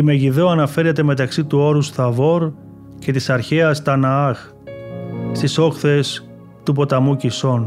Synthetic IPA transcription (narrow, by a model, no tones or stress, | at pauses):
ime̞ʝiðoɐnɐfe̞ɾe̞t̪e̞me̞t̪ɐksit̪uo̞ɾusθɐvo̞ɾ | ce̞t̪isɐɾçe̞ɐst̪ɐnɐɐx | st̪iso̞xθe̞s | t̪upo̞t̪ɐmuciso̞n